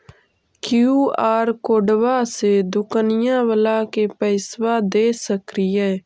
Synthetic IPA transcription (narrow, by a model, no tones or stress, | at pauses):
kjuːaːɾkoːɖwased̪ʊkənɪjãːwəlaːkepɛːswaːd̪eːsəkɾiɛː